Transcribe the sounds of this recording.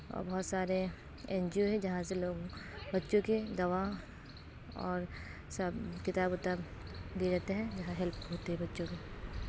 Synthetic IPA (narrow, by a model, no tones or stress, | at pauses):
ɔ̰ːɾbɐɦːt̪saːɾe | ɛ̃ːnd͡ʒioɦɛ̃d͡ʒɐɦãseloːɡbɐtːʃõked̪ɐʋa | ɔːɾsɐbkɪt̪aːbʊt̪abd̪ied͡ʒɐɦt̪eɦɛ̃d͡ʒɐɦãɦɛlpɦoːt̪eɦɛ̃bɐtːʃõke